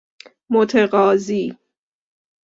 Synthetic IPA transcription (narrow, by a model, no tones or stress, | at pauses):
mot̪ʰeɢɒːziː